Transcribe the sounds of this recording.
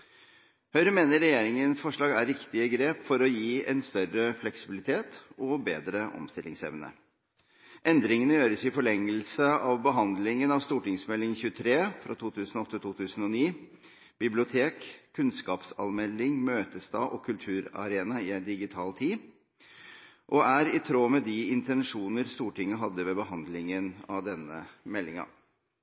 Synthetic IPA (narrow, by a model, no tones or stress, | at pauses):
hœʏɾəmeːnəɾɛjeːɾɪŋənsfɔʂɭɑːɡæ̰ɾːɪkt̪ɪəɡɾeːpfɔɾɔjiːɛnst̪œɾəflɛksɪbɪlɪt̪ʰeːt̪ɔbeːd̪ɾəʔɔ̰mst̪ɪlʔɪ̰ŋsɛ̰ʋnə̰ | ʔɛnd̪ɾɪŋənəjøːɾəsɪfɔɭɛŋːəlsəɑʋbəɦɑnd̪lɪŋənɑʋst̪uːʈɪŋsmɛlɪŋçʉːət̪ʰɾeːfɾɑ̰ːt̪ʰuːt̪ʰʉːsn̩ɔɔt̪ːət̪ʰuːt̪ʰʉːsn̩ɔniː | b̥ɪblɪʊt̪ʰeːkʰːʉnskɑːpsɑ̰nmɛlːɪŋmøːt̪əst̪ɑ̰ːʔɔkʰʉlt̪ʰʉːɾɑ̰ɾeːnɑɪɛd̪ɪɡɪt̪ʰɑːlt̪ʰiː | ʔɔæɾɪt̪ʰɾoːmɛd̪ɪɪnt̪ɛnʂuːnəɾst̪uːʈɪŋːəɦɑd̪ːəʋɛːbəɦɑnd̪lɪŋənɑ̰ʋd̪ɛnːə̰mɛlːɪŋɑ̰